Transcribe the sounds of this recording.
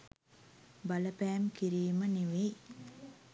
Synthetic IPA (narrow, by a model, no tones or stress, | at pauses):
bɐləpæːmkiɾiːməniʋej